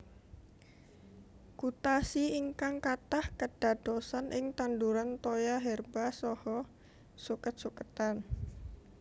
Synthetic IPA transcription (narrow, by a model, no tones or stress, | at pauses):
kut̪asiiŋkaŋkat̪ahkəd̥a̤d̪̥osanʔɪŋt̪anduɾant̪ojaɦɛrbasɔhɔ | sukət̪̚sukət̪an